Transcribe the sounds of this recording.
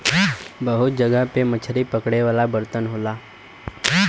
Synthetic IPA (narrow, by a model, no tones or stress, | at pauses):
bəɦʊt̪̚d͡ʒəɡəpemət͡ʃʰəɾipəkɽeʋaːlabəɾt̪ənɦoːlaː